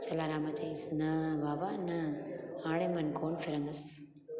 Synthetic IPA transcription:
t͡ʃʰɐlaːɾaːmãt͡ʃɐĩsnɐbaːbanɐaːɽ̃emɐnkoːnfɪɾə̃nd̪ɐs

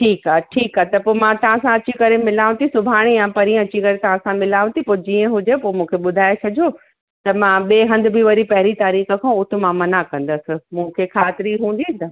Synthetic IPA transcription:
ʈʰiːkaːʈʰiːkaːɦt̪ɐpoːmãt̪ɐʋãsãɐt͡ɕikɐɾemɪlaːʋ̃t̪ʰisʊbʱaːɽ̃ijãpɐɾĩɐt͡ɕikɐɾet̪ɐʋ̤ãsãmɪlaːʋũt̪ʰipoːd͡ʑiːə̃ɦʊd͡ʑepoːmũːkʰeɓʊd̪ʱaːet͡ɕʰɐd͡ʑʱo | t̪ɐmãɓeːɦɐ̃nd̪ʱɪ̆bʱiʋɐɾipɐɦɪɾit̪aːɾiːxə̆kʰãʊt̪ʰɪ̆mãmɐnakɐ̃nd̪əsɪ̆mũːkʰekʰaːt̪ɪɾiɦũːn̆d̪it̪ɐ

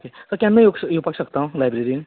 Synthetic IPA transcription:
okesəɾkjãnːəjoɡjopaksəkt̪aũlajbɾeɾin

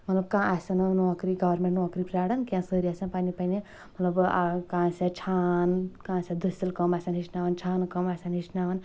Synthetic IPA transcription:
mɐt̪lɐb̚kãːʔasannoakɾiɡɐwɐɾmẽʈnoakɾipɾaɽɐnkãsəɾiasanpanipani | mɐt̪lɐbkãːset͡ʃʰaːnkãsed̪ɨsilkɔmasanɦisnaːʋɐnt͡ʃʰaːnkəmasanɦisnaʋɐn

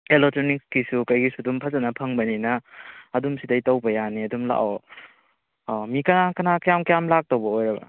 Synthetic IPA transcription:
elek̚tɾonik̚skisukɐjɡisudumpʰɐzɐnɐpʰɐŋbɐninɐːdumsidɐjtɐwbɐjaniɐdumla̰ʔo | mikɐnakɐnakjamkjamlak̚towbɐojɾɐbɐ̰

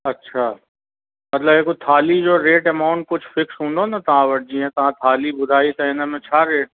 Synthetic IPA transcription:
ɐtːʃʰaː | mɐt̪ləbeːkot̪ʰaːlid͡ʒoːɾeːʈɛmaːʊ̃ɳʈ̚kʊt͡ʃʰfɪksɦũnd̪onat̪ɐɦãʋɐɽd͡ʒiɦɛ̃t̪ɐɦãt̪ʰaːlibʊd̪ʱaːit̪ɐɦɛ̃namẽt͡ʃʰaːɾeːʈ̚

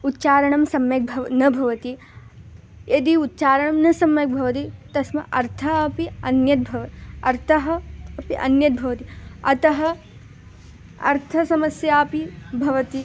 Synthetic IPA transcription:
ut̪ːt͡ʃaːɾɐɳɐmsɐmjɐk̚bʱɐnɐbʱɐʋɐt̪i | ed̪iut̪t͡ʃaːɾɐɳɐmnɐsɐmjɐk̚bʱɐʋɐt̪it̪ɐsmɐʔɐɾt̪ʰɐːpiɐnjɐt̪̚bʱɐʋɐɐɾt̪ʰɐɦɐ̆piʔɐ̰njɐt̪̚bʱɐʋɐt̪iɐt̪ɐɦɐ̆ | ɐ̰ɾt̪ʰɐsɐmɐsjaːpibʱɐʋɐt̪i

